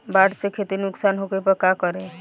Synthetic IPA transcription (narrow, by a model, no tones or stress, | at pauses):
baʈsekʰet̪inuksanɦokepəkakəɾe